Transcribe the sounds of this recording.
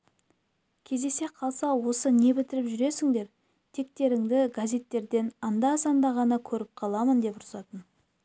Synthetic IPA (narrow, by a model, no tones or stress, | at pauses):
kʲʰe̞zd̪e̞se̞qʰɑlˠsɑwo̞səne̞bɪt̪ɪɾɪpʒʏɾe̞sɪŋd̪e̞ɾ | t̪ʰe̞k̚t̪e̞ɾɪŋd̪ɪɡazʲe̞t̪ːe̞ɾd̪e̞nɑnd̪ɑsɑnd̪ɑʁɑnəkʲʰɵɾɪp̚qʰɑlˠɑmənd̪e̞pʊɾsɑt̪ən